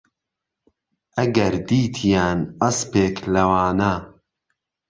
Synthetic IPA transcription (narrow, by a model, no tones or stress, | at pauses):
ʔɐɡɐɾd̪iːt̪ʰijaːnɐspeːklɐwaːnaː